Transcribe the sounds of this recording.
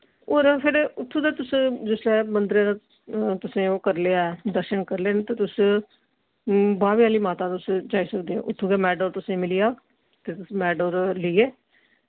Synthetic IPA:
oːɾpʰɪɾʊt̪ʰːũːd̪aːt̪ʊsd͡ʒɪslɛːmənd̪ɾẽːã | t̪ʊsẽːoːkəɾleːaɛd̪əɾʃənkəɾleːnet̪eːt̪ʊs | baːʋiaːliːmaːt̪aːt̪ʊsd͡ʒaːiːsəkd̪eːɛ̰̃ːʔʊt̪ʰːuːɡɛːmɛːɖoːɾt̪ʊsẽːmɪliaː | t̪eːt̪ʊsmɛːɖoːɾlɪːeː

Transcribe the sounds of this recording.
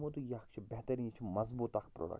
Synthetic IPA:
mot̪ujakt͡ʃʰibɛɦt̪əɾiit͡ʃʰimɐzbuːt̪akpɾo̰ːɽɐ̰k

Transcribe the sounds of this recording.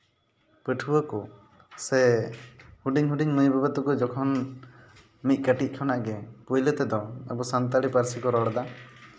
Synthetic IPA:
pəʈʰuwəkɔ | sɛ | huɖiŋɦuɖiŋnəjbabət̪ukɔd͡ʒɔkʰɔn | mit̪̚ˀkəʈic̚ˀkʰɔnaʔɡɛpujlət̪ɛd̪ɔəbɔsant̪aɽipaɾsikɔɾɔɽd̪a

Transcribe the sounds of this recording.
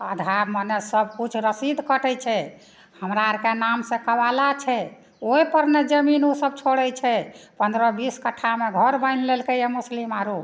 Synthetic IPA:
əd̪ʱabmənesəb̚kut͡ʃʰɾəsid̪ʱkəʈɛt͡ʃʰɛ | həmɾaɾkenamsẽkəbalat͡ʃʰɛ | oipəɾned͡ʒəminusəb̚t͡ʃʰoɽɛt͡ʃʰɛpənd̪ɾɔbiskəʈʰameɡʱəɾbəɪnlelkejemuslimaɾu

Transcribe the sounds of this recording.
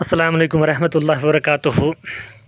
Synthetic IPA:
ɐsːɐlaːmɐleːkʊmʋɐɾɐɦmɐt̪ːlˤːaːɦɪɐbɐɾɐkaːt̪ʊɦu

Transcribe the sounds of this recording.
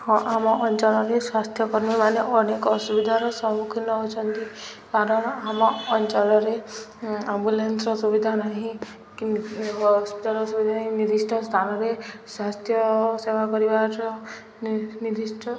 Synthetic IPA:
hɔ̃ʔamɔʔɔnt͡ʃɔlɔɾeswast̪ʰjɔkɔɾmimaneʔɔnekɔsubid̪ʱaɾɔsɔmukʰinɔɦot͡ʃʰɔnt̪ikaɾɔnɔamɔːnt͡ʃɔlɔɾe | ambulensɾɔsubid̪ʱanaɦĩ | ɔspit̪alɔsubid̪ʱanaɦĩnid̪isʈʰɔst̪ʰanɔɾeswast̪ʰjɔsebakɔɾibaʈɔ | nid̪isʈʰɔ

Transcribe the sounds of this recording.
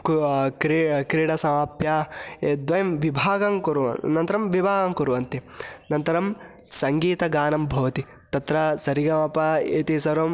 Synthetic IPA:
kkɾikɾiːɽɐsɐmaːpjaːed̪ʋɐjɐmʋibʱaːɡɐŋkuɾuʋɐ̰nɐnt̪ɐɾɐmʋibʱaːɡɐŋkuɾuʋɐnt̪i | nɐnt̪ɐɾɐm | sɐŋɡiːt̪ɐɡaːnɐmbʱɐʋɐt̪i | t̪ɐt̪ɾɐsɐɾiɡɐmɐpɐeːt̪isɐɾom

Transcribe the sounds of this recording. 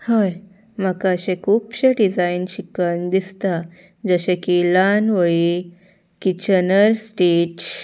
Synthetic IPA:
həj | m̤əkaəɕẽkʰuːpɕeɖid͡zainɕikənd̪ist̪a | d͡zəɕẽkilanʋəɭi | kit͡ɕənəɾsʈeʈ

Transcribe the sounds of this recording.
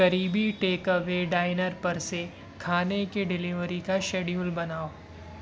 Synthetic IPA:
ɐɾiːbiʈeːkəʋeɖaːɪnəɾpɐɾse | kʰaːnekeɖɪlɪʋəɾikaʃeːɖiũlbɐnaːoː

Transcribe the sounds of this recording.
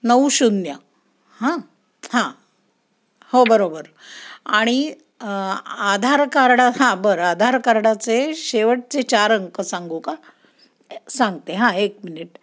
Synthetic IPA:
nəuɕunja | hã | hã | hobəɾobəɾ | aɽ̃i | ad̪ʱaɾkaɾɽaɦãbəɾad̪ʱaɾkaɾɽat͡seɕeʋəʈ̚t͡set͡ɕaɾəŋkəsaŋɡuka | sãŋɡt̪eɦãek̚miniʈ̚

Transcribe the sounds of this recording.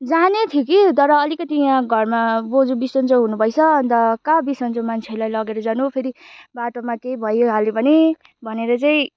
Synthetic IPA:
d͡zanet̪ʰjokit̪ʌɾʌʌlikʌt̪ijãɡʱʌrmabod͡zubisʌnt͡sʌɦunubʱʌjt͡sʰʌːnd̪ʌkabisʌnt͡somant͡sʰelajlʌɡeɾʌd͡zanuɦopʰeɾibaʈomakejbʱʌjoɦalebʱʌne | bʱʌneɾʌt͡saĩ

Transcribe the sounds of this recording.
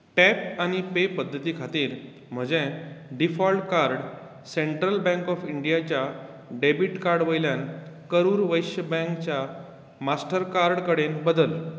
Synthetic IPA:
ʈɛpañipepəd̪ʱːət̪iːkʰat̪iːɾ | m̤əd͡ʑɛ̃ɖifɔlʈkaɾɽ | seɳʈɾəlbɛ̃ŋkɔfiɳɖijat͡ɕja | ɖebiʈkaɾɽʋəjljankəɾuːɾʋəjɕjəbɛ̃ŋkt͡ɕja | masʈəɾkaɾɽkəɽenbəd̪əl

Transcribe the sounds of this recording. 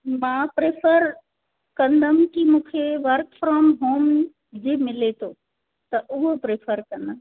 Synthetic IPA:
mãpɾepʰəɾ | kə̃nd̪ʱəmkimũkʰeʋəɾkfʰɾɔːmɦoːm | d͡ʒemɪlet̪ʰo | t̪əʔuɦopɾepʰəɾkɐ̃nd̪ʱəm

